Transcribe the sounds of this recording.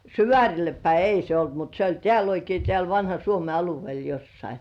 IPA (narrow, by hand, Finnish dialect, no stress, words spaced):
syʋæˑrʲilːe pæi ei se olt mut se olʲ tĕæˑl oikei tĕæˑl ʋɑnhɑ suome ɑluʋĭeˑl josːɑi